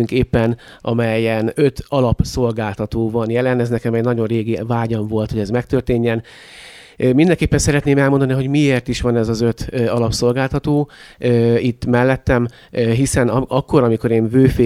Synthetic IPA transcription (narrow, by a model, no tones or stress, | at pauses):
yŋkeːpːɛnʔɒmɛjɛnø̞t̪ɒlɒpso̞lɡaːlt̪ɒt̪oːvɒnjɛlɛnɛznɛkɛmɛɟnɒɟo̞rreːɡivaːɟɒɱvo̞lt̪ho̞ɟɛzmɛkt̪ørt̪eːɲːɛn | mind̪ɛŋkeːpːɛnsɛɾɛt̪neːmɛlmond̪ɒniɦo̞ɟmieːrt̪iʃʋɒnɛzɒzøt̪ɒlɒpso̞lɡaːlt̪ɒt̪oːøit̪ːmɛlːɛt̪ːɛm | ɦisɛnɒkːo̞ɾɒmiko̞ɾeːɱvøːfeː